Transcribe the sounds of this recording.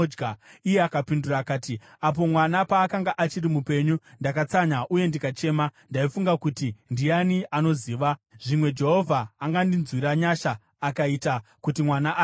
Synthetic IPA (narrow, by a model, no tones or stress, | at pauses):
ɡaijeakapinduraːkaːti | ap̬o̞mwanapaːkaŋɡaʔat͡ʃiɾimupe̞ɲundakat͡saɲaʔuje̞ndikat͡ʃe̞ːmandaifuŋɡakutindijaniʔano̞ziːʋaʐ̥imwe̞d͡ʒe̞ɦo̞vʱaːŋɡandinzwiɾaɲaʃaː | kaitakutimwanaʔ